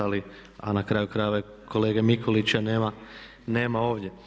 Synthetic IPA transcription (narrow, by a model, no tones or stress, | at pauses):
ali | a̰nakɾaːjukɾaːjʋa | kʰo̞leːɡemikʰo̞lit͡ɕaneːma | neːmao̞ːʋdʲje̞